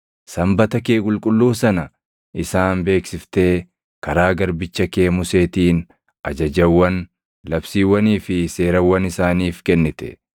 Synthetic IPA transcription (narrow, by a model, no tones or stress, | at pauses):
sɐmbɐt̪ɐkeːkʼʊlkʼʊlːuːsɐnɐ | ʔɪsaːnbe̞ːksɪft̪e̞ː | kɐɾaːɡɐɾbɪt͡ʃːɐke̞ːmʊse̞ːt̪iːn | ɐd͡ʒɐd͡ʒɐwːɐn | lɐbsiːwːɐniːfɪse̞ːɾɐwːɐnɪsaːniːfkɛnːɪt̪ɛ̥̰